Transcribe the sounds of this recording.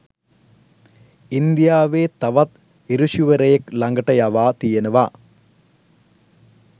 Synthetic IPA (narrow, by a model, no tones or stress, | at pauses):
ind̪jaːʋeːt̪ɐʋɐt̪ | iɾuʂuʋɐɾejeklɐŋɡɐʈːɐjaʋaːt̪ijɐnɐʋaː